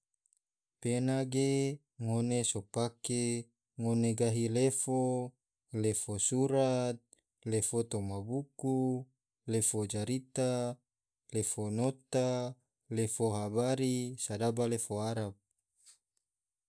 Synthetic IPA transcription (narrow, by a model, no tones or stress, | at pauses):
penaɡe | ŋonesopake | ŋoneɡaɦilefo | lefosuɾat̪̚ | lefot̪omabuku | lefod͡ʒaɾit̪a | lefonot̪a | lefoɦabaɾisadabalefoaɾap̚